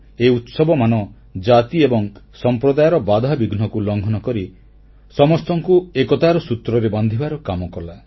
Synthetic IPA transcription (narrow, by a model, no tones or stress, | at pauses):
eut̪sɔbɔmanɔ | d͡ʒat̪iebɔŋsɔmpɾɔd̪ajɔɾɔbad̪ʱabiɡn̤ɔkulɔŋɡʱɔnɔkɔɾi | sɔmɔst̪ɔŋkuekɔt̪aɾɔsut̪ɾɔɾeband̪ʱibaɾɔkamɔkɔla